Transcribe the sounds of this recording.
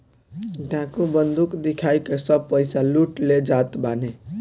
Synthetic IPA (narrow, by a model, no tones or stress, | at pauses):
ɖãkubənd̪ukd̪ikʰajkesəb̚pəjsaluʈled͡ʒat̪bane